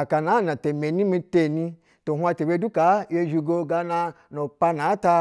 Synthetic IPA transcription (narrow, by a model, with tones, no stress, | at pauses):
a˨ka˨na˨˦˨na˨te˨me˨nĩ˦mi˧te˧˨nĩ˧ | to˨ɦũ˦a˧te˨be˧˦du˦ka˨˦je˧ʒu˧ɡo˧ɡa˧na˧ | no˨k͡pa˧na˨˦ta˧